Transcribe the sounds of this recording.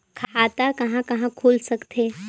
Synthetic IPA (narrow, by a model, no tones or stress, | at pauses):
kʰat̪akɐɦãkɐɦãkʰuːlsəkt̪ʰe